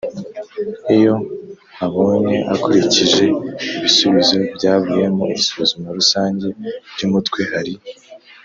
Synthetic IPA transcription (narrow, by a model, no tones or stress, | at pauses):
ejo̞ | aβo̞ːne̞ʔa̰kuɾiciʒe̞iβisuβizo̞bɟaːβuje̞mo̞iβisuzumoɾusaːɲɟe̞b̥ɟumutkwe̞haɾi